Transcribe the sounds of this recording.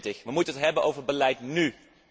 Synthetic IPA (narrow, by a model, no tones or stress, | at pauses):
tɪxʋəmutənətɦɛbənʔowvəɹbəlɛjtny